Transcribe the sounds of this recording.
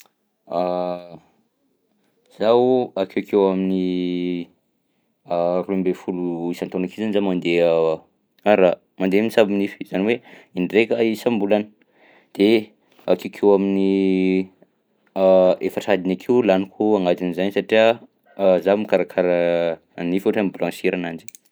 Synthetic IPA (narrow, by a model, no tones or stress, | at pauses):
a | z̥aakewkʰewamini | ruimbefuluisant̪onakizanizamand̪ea | aɾa | mand̪emnisabinifi̥z̥aniweiɳɖ͡ʐekaisambulanə̥ | d̪̥e | akewkʰewamini | efəʈ͡ʂad̪inakʰeulanikʰuaŋɡad̪inizansaʈ͡ʂia | zamikaɾakʰaɾə | anifuʈ͡ʂambulãnsiɾanand͡ʒi̥